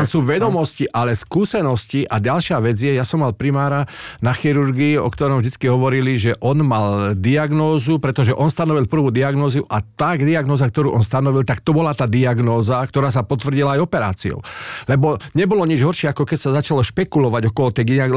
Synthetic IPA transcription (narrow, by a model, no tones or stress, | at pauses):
suːʋɛd̪ɔmɔsciʔalɛskuːsɛnɔsciʔaɟalʃɪaʋɛd͡zjɛjasɔmːalpɾimaːɾa | naxiɾuɾɡiːɔkt̪ɔɾɔmʒd̪it͡skiɦɔʋɔɾiliʒɛʔɔnmald̪iaɡnɔːzupɾɛt̪ɔʒɛʔɔnst̪anɔʋilpr̩ʋuːd̪iaɡnɔːzuʔat̪aɡd̪iaɡnɔːzak̚t̪ɔɾuːʔɔnst̪anɔʋilt̪akt̪ɔbɔlat̪aːd̪iaɡnɔːzakt̪ɔɾaːs̬apɔt̪ʋrɟilaːjɔpɛɾa̰ːt͡siɔ̰ʊlɛbɔɲɛbɔlɔɲid͡ʒɦɔɾʃɪɛakɔkɛcsazat͡ʃalɔʃpɛkulɔʋaɟɔkɔɦɔt̪ɛɡaɡ